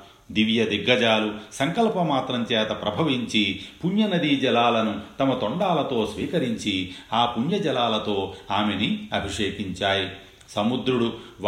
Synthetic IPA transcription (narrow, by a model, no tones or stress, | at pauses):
d̪iʋjɐd̪iɡːɐd͡ʒaːlusɐŋkɐlpɐmaːt̪ɾɐmt͡ʃɛːt̪ɐpɾɐbʱɐʋiɲt͡ʃipuɲjɐnɐd̪id͡ʒɛlaːlɐnut̪ɐmɐt̪oɳɖaːlɐt̪o̞ːsʋiːkɐɾiɲt͡ʃiaːpuɲjɐd͡ʒɛlaːlɐt̪o̞ːaːmeniɐbʱiʂeːkiɲt͡ʃaːji | sɐmud̪ɾuɽuʋ